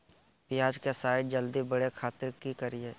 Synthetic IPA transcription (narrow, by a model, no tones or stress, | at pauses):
pɪjaːd͡ʒkesaːɪɖd͡ʒəld̪ibəɽekʰaːt̪ɪɾkikəɾie